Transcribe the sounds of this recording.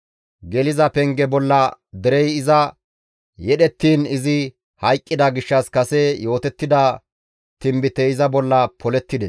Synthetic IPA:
ɡɛlɪzɐpɛŋɡɛbɔlːɐd̪ɛɾɛjɪzɐ | jɛɗɛt̪ːiːnɪzɪ | hɐjkʼːɪd̪ɐɡɪʃːɐskɐsɛjo̞ːt̪ɛt̪ːɪd̪ɐ | t̪ɪmbɪt̪ɛɪzɐbɔlːɐpɔlɛt̪ːɪd̪ɛs

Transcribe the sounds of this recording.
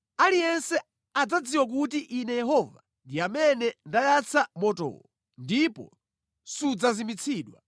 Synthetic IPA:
alijɛnsɛ | ad͡zad͡ziwak̬utiʔinɛjɛɦɔva | ndiamɛnɛndajat͡sʰamɔtɔ̰ɔ | ndipɔ̰ | sud͡zazimit͡sʰiːɗwa

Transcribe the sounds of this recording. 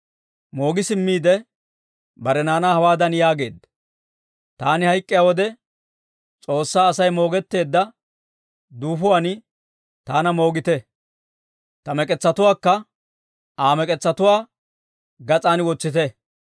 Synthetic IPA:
mo̞ːɡɪsɪmːiːd̪ɛ | bɐɾɛnaːnaːhɐwaːd̪ɐnjaːɡe̞ːd̪ɐ | t̪aːnɪhɐjkʼːɪjawɔd̪ɛ | t͡sʼo̞ːsːaːsɐjmo̞ːɡɛt̪ːe̞ːd̪ːɐ | d̪uːfʊwaːnɪ | t̪aːnɐmo̞ːɡɪt̪ɛ | t̪ɐmɛkʼɛt͡sːɐt̪ʊwaːkːɐ | aːmɛkʼɛt͡sːɐt̪ʊwaː | ɡɐt͡sʼaːnwɔt͡sːɪt̪ɛ

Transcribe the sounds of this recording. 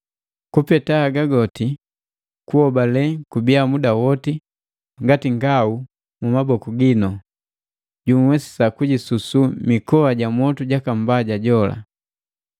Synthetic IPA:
kupɛtaːɡaɡɔti | kuhɔbalɛkubiamudawɔti | ŋɡatiŋɡau | mumabɔkuɡinɔ | ɟumwɛsi̥sakuɟisusumikɔaɟamwɔtuɟakam̩baɟaɟɔla̰

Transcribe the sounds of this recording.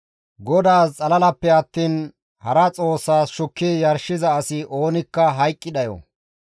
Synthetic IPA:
ɡɔd̪aːst͡sʼɐlɐlɐpːɛɐt̪ːiːn | hɐɾɐt͡sʼo̞ːsːaːsʃʊkːɪjɐɾʃɪzɐːsɪʔo̞ːnɪkːɐɦɐjkʼːɪd̪ɐjɔ̰

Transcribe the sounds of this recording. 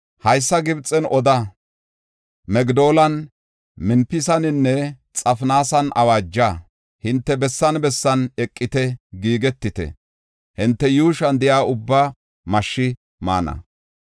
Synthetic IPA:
hɐjsːɐɡɪbt͡sʼːɛnʔɔd̪ɐ | mɛɡd̪o̞ːlɐn | mɪnpːɪsɐnɪnːɛ | t͡sʼɐfnaːsɐnʔɐ̰waːd͡ʒːa | hɪnt̪ːɛbɛsːɐnbɛsːɐnɛkʼːɪt̪ɛɡiːɡɛt̪ːɪt̪ɛ̰ | hɪnt̪ːɛjuːʃɐnd̪ɪjaːʊbːa | mɐʃːɪ | ma̰ːnɐ̰

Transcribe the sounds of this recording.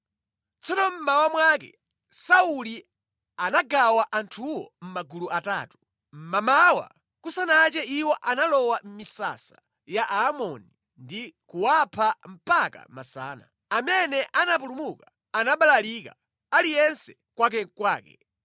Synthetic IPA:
t͡sɔnɔm̩mawamwak̬ɛ̰ | sauli | anaɡawaʔantʰuwɔ̰m̩maɡuluʔata̰ːtu̥ | m̩mamawa̰ | kusanat͡ʃɛiwɔʔanalɔwam̩misa̰sa | jaʔaːmɔni | ndikuwapʰam̩paka̰masa̰ːna̰ | amɛnɛʔanap̬ulumuka | anaɓalalika | alijɛnsɛ̥ | kwak̬ɛkwaːkɛ̰

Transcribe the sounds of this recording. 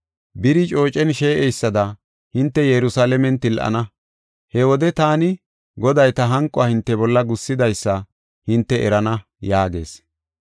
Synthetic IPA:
bɪɾɪt͡ʃʼo̞ːt͡ʃʼɛnʃeːʔɛjsːɐd̪ɐ | hɪnt̪ːɛjɛɾʊsaːlɛmɛnt̪ɪlʔɐ̰nɐ | hɛwɔd̪ɛt̪aːnɪ | ɡɔd̪ɐjt̪ɐɦɐŋkʼːɔɐːhɪnt̪ːɛbɔlːɐɡʊsːɪd̪ɐjsːɐ | hɪnt̪ːɛʔɛ̰ɾɐnɐ | jaːɡe̞̰ːs

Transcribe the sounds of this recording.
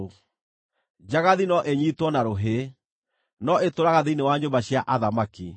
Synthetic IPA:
d͡ʑaɣaðinɔʔeɲitwɔnaɾoɦe | nɔetoɾaɣaðeinewaɲombaɕiaʔaðamaki

